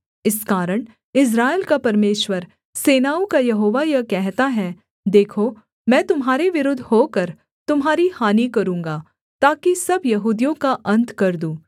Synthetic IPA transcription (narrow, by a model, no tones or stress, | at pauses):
ɪskaːɾəɽ̃ | ɪs̬ɾaːelkapɐɾmeːʃwəɾ | seːnaːõkajɐɦoːʋajɐkɛɦt̪aɦɛ | d̪eːkʰo | mɛ̃ːt̪ʊmɦaːɾeʋɪɾʊd̪ʱɦoːkɐɾ | t̪ʊmɦaːɾihaːnikɐɾũːŋɡa | t̪aːkisɐbjɐɦuːd̪ijõkaʔɐ̃nt̪kɐɾd̪ũː